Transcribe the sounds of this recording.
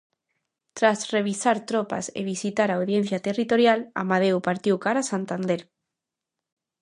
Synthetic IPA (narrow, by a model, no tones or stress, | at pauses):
t̪ɾazreβ̞isaɾt̪ɾopa̰sḛβ̞isit̪aɾawðjẽn̟θjat̪erit̪oɾjala̰maðewpaɾt̪iwkaɾasant̪and̪eɾ